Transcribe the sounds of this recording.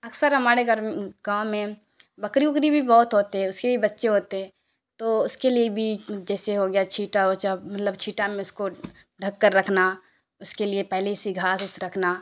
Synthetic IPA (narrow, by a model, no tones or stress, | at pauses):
ɐksəɾɦɐmaːɾeɡɾɡãːmẽ | bɐkɾiʊkɾibʱibɔːʊt̪ɦoːt̪eɦɛ̃ʊskebʱibɐtːʃeɦoːt̪eɦɛ̃ː | t̪oʊskeliebʱid͡ʒɛːseɦoɡjat͡ʃʰiːʈaot͡ʃamɐt̪ləbt͡ʃʰiːʈamẽʊsko | ɖʱɐkːəɾːɐkʰna | ʊskeliepɛɦlesiɡʱaːsʊsɾɐkʰna